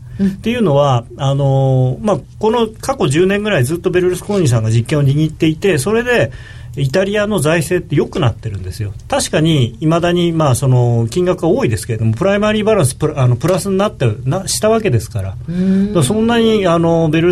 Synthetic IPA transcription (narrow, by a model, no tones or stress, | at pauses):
t̪e̞jɯ̟ːno̞βaano̞makono̞kako̞ʑɨːnẽ̞ŋɡɯ̟ɾaizɨːt̪ːo̞be̞ɾɯ̟ɾɯsɨ̥koɲiːs̬ãŋɡaʑikːẽoɲ̟iɲit̪ːe̞it̪e̞so̞ɾe̞d̪e̞ | it̪aɾʲiano̞zaise̞ːt̪ːe̞jo̞kɯ̟nat̪ːe̞ɾɯ̟̃nd̪e̞sɨjo̞t̪aɕi̥kaɲ̟iimad̪aɲ̟imaːso̞no̞kʲĩŋɡakɯ̟βaoːid̪e̞sɨ̥ke̞e̞d̪o̞mo̞pɯ̟ɾaimaɾʲiːbaɾãɰ̃sɨ̥pɯ̟ano̞pɯ̟ɾasɨɲ̟inat̪ːenaɕi̥t̪aβ̞ake̞d̪e̞sɨ̥kaɾa̰d̪asõ̞nːaɲ̟iano̞be̞ɾɯ̟